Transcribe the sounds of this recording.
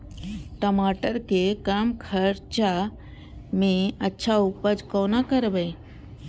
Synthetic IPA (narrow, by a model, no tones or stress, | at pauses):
ʈomaːʈəɾkekamkʰəɾt͡ʃa | mẽətːʃʰaupəd͡ʒkoːnakəɾbe